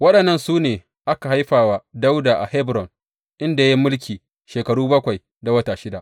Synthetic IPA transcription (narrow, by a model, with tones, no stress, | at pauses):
wɐ˦ɗɐ˨nːɐ˦˨nsuː˦neː˨ | ʔa˦ka˨ɦa˦jɸaː˨waː˨da˦wdaː˨ʔa˨hɛ˦bɾɔ˨n | ʔɪ˦nda˨ja˦mʊ˦lk̬ʲiː˨ | ʃeː˨kɐ˨ɽuː˦bɐ˦kʷa˨j | da˨wɐ˦taː˨ʃɪ˦da˨ʔ